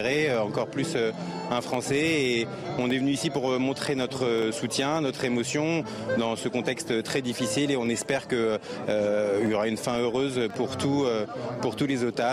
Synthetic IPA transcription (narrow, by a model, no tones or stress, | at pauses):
ʁeøɑ̃kɔʁplysø | ɛ̃fχɑ̃sɛː | ɔ̃nɛvənyisipuʁmɔ̃t̪χenɔt̪χəsut̪jɛ̃nɔt̪χemɔsjɔ̃ | d̪ɑ̃səkɔ̃t̪ɛkst̪t̪χɛd̪ifisileɔ̃nɛspɛʁkə | øiljɔʁaynfɛ̃øʁøzpuʁt̪uøpuʁt̪ulezot̪a